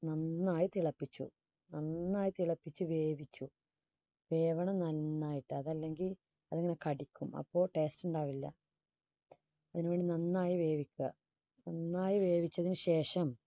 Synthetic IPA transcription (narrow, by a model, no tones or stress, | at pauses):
nɐnːaːjit̪iɭɐpːit͡ɕːṵ | nɐnːaːjit̪iɭɐpːit͡ɕːuʋe̞ːʋit͡ɕːu | ʋe̞ːʋɐɳɐmnɐlːaːjiʈːɨɐðɐlːe̞ŋɡil | ɐðeŋːɐnekɐɽikʲːumɐ̰pːo̞ːʈe̞ːstuɳɖaːʋilːɐ̰ | ɐðinuʋe̞ːɳɖinɐnːaːjiʋe̞ːʋikʲːɨ̰ | nɐnːaːjiʋe̞ːʋit͡ɕːɐðinɨɕe̞ːʂɐm